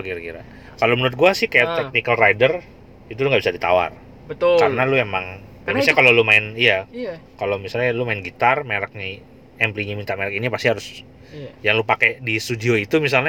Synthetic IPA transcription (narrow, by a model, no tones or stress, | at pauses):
kiɾakiɾa̰ | kalomənuɾɪt̪̚ɡuasɪhkajaʔt̪ɛk̚nikalrajdər | it̪̬uluŋɡabisadit̪a̰wa̰r | bət̪kaɾənaluemaŋ | damaakalolumaɪnijakalomisalɲalumaɪnɡit̪armeɾak̚ni | ɛmpliɲamint̪aʔmeɾəkinipast̪ihaɾʊs | jaŋlupakedist̪udioit̪umis̬alɲa